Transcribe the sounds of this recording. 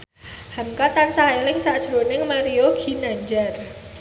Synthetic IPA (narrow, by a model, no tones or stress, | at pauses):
hamkat̪ansaɦelɪŋsaʔd̥ʒ̥ɾonɪŋmaɾioɡ̥i̤naɲd͡ʒar